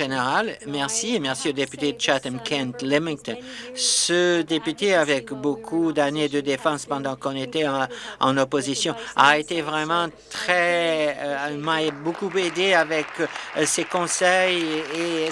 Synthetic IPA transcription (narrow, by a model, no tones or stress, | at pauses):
ʒeneʁalmɛʁsiemɛʁsiod̪epyt̪ed̪ət͡ʃat̪ɛ̃nkʰɛ̃nt̪lɛmĩŋt̪nsəd̪epyt̪eavɛkbokʰud̪aned̪əd̪efɑ̃spɑ̃d̪ɑ̃kɔ̃net̪ɛɑ̃ɑ̰̃nɔpozisjɔ̃a̰et̪evʁɛmɑ̃t̪χɛ | maɛbokuped̪eavɛksekɔ̃sɛje